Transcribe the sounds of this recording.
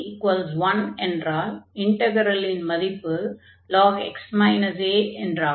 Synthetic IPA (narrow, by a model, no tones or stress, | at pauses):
ɪʈ̚kʋaːlsʋɐnɛndɾaːlɪɳʈɐɡɐɾɐlɪnmɐðɪpːɯ | lɔːɡɛ̰ksmaɪnɐseːɛndɾaː